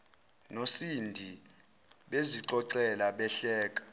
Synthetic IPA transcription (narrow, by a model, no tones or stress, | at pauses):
nosindʱi | ɓeziǀɔǀɛlaɓɛɬɛːk̬ʼḁ